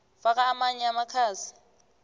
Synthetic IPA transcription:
fak̬ʼaːmaɲɛamakʰaːsi̥

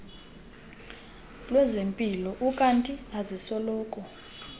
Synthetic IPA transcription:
lwɛzempʼilɔʔukʼantʼiazisɔlɔːkʼɔ

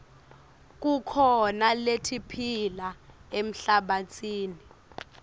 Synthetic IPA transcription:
k̬ʼukʰɔnaletʰipʰilaem̩ɬaɓat͡sʰʼiːni

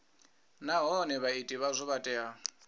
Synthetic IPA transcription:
naɦɔnɛβaitʼiβazʷɔβatʼɛɦa

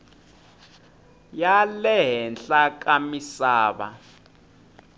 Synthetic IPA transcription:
jalɛɦɛnɬak̬ʼamisaːɓa̰

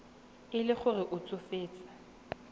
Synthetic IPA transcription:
ɪlɪχʊrɪʔʊt͡sʼʊfeːt͡sʼḁ

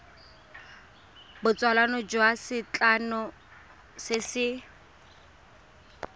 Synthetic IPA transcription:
bʊt͡sʼwalanɔd͡ʒʊasɪt͡ɬanʊ | sɪsɪ

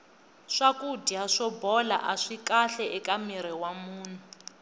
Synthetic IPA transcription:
ʂakudiɦaʂɔbɔla̰ʔaʂikaɬɛʔɛkamiɾɛwamuːn̤u

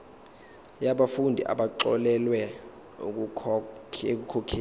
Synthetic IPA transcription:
jaɓafundʱiʔa̰ɓaǃɔ̰lɛlwɛ | uk̬ʼu | ek̬ukʰɔkʰiː

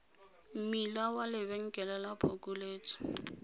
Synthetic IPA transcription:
m̩milawalɪβɛŋ̩kʼɛlɛlapʰokʼuleːt͡sʼɔ̥

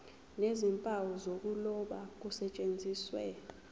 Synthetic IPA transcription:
nezimpʼawɔzok̬ʼulɔɓak̬usɛt͡ʃʼend͡zʱiːswɛ̰

